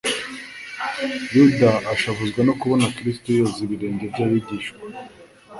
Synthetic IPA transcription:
judaːʃaβuzɡwanokuβo̞nakɾistojosiβiɾe̞ːɲɟe̞vɟaβiɟiːʃɡwa

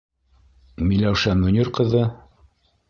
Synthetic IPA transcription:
milæwʃænːunʲiɾqɤ̆ðɤ

